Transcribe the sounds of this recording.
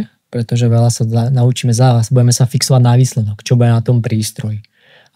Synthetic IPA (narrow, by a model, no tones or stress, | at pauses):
pɾɛt̪ɔʒɛʋɛlasaanaut͡ʃiːmɛzaːʋazbuɟɛmɛsafiksɔʋaɟnaʋiːslɛd̪ɔkt͡ʃɔbujɛnat̪ɔmpɾiːst̪ɾɔji